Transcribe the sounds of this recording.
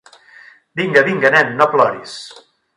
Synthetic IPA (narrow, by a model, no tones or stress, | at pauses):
biŋɡəβiŋɡənɛmːoplɔɾis